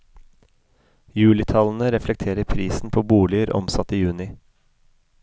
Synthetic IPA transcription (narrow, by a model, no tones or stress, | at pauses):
jʉːlɪt̪ʰɑln̩əɾɛflɛk̚t̪ʰeːɾəɾpʰɾiːsn̩pʰoːbuːlɪəɾʔɔ̰msɑt̪iːjʉːnɪ